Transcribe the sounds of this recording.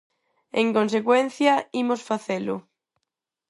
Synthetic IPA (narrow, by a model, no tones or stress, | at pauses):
eŋkõnsekwen̟θjaimosfaθelʊ